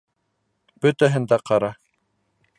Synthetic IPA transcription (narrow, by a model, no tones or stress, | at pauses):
b̥ɵt̪æɦɘ̆nd̪æqɑɾɑ